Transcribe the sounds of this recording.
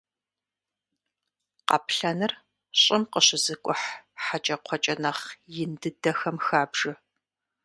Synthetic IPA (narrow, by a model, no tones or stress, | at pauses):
qɑ̰pɬɐnɨr | ɕʼɪmqəɕɪzɨkʷʼʊħħat͡ʃʼɐqʷʰɔt͡ʃʼɐnɐχjɪndɨdɐxɐmxaːbʐɨ